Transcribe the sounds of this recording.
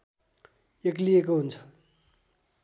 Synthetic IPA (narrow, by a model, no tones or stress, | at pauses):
ek̬lijekoɦunt͡sʰʌ̥